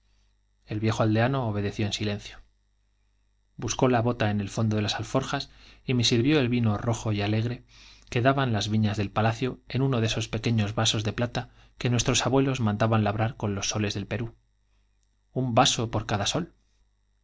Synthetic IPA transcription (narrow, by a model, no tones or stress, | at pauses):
e̞lβje̞xoald̪e̞ano̞ːβ̞e̞ðe̞θjo̞ensilẽ̞n̟θjo̥ | busko̞laβo̞t̪ae̞ne̞lfo̞nd̪oðe̞lasalfo̞ɾxasime̞siɾβjo̞e̞lβino̞ro̞xo̞jale̞ɣ̞ɾe̞ke̞ðaβanlazβiɲazðe̞lpalaθjo̞e̞nũno̞ðeso̞spe̞ke̞ɲo̞zβaso̞zðe̞plat̪a | ke̞nwe̞st̪ɾo̞saβwe̞lo̞zmãnd̪aβanlaβɾaɾko̞nlo̞sːo̞le̞zðe̞lpe̞ɾu | umbaso̞po̞ɾkaðaso̞l